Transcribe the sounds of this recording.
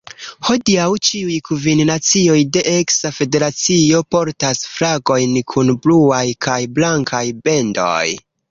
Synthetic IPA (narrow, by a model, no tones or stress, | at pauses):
ho̞diawt͡ʃiujkʰuvinnat͡sio̞jde̞ʔeksafe̞de̞ɾat͡sio̞po̞ɾtasfɾaɡo̞jnkʰunbluajkʰajblaŋkʰajbe̞ndo̰j